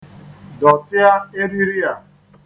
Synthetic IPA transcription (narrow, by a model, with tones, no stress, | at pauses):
dɔ˨tɪ˦a˦e˦ɾi˦ɾi˦a˨